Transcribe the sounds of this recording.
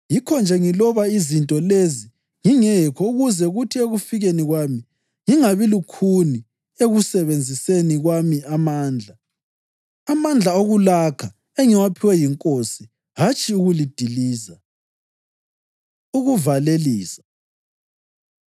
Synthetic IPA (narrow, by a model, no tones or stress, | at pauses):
jikʰɔnd͡ʒʱɛŋilɔβaizintʼɔlezi | ŋiŋɛkʰɔuɣuzɛɣutʰieɣufiɣeniɣwami | ŋiŋaβilukʰuni | eɣusɛβend͡zʱiseniɣwamiamaːnd͡ɮʱaː | mand͡ɮʱaoɣulakʰa | eŋiwapʰiwɛjiŋkʼosi | ɦat͡ʃʰʼiuɣulid̥ʱiliːza | uɣuvaleliːsḁ